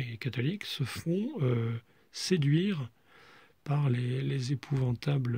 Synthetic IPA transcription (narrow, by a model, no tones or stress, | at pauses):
ekat̪ɔliksəfɔ̃ø | sed̪ɥiʁ | paʁlelezepʰuvɑ̃t̪abl